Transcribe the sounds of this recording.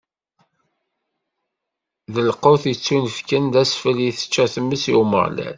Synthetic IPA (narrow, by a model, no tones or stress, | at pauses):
ðəlqʊθjət͡sːunəfkənd̪æsfəljiθə̥t͡ʃːæθəmːəsjumə̰ʁlæ̰n